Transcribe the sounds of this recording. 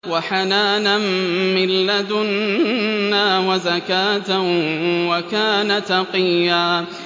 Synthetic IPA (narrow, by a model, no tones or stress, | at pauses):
waħanaːnamːɪlːad̪ʊnː | aːwazakaːt̪awakaːnat̪ɑqijːaː